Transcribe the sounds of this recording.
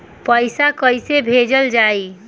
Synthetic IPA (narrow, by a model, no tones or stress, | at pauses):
pəjsakəjsebʱed͡ʒəld͡ʒai